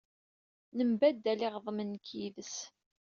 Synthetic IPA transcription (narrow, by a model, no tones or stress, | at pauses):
nəmbæd̪ːælɪʁðˤmənːkiðəs